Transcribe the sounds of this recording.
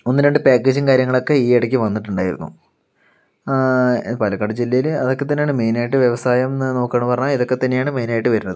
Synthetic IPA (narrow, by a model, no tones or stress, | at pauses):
onːiɾɐɳɖɨpaːkːeːd͡ʑinkaːɾjɐŋːɐɭo̞kːe̞iːeɽɐk̬ʲːiʋɐnːiʈːuɳɖaːjḭɾunːṵ | pɐlɐkːɐɽɐd͡ʑilːɐjilɐðokːet̪ːɐnːeaːɳɨme̞jnaːjiʈːɨʋjeʋɐsaːjɐmnoːkːɐːɳːupɐrɐɲːaiðo̞kːe̞t̪ːɐnːejaːɳɨme̞jnaːjiʈːɨʋɐɾunːɐðɨ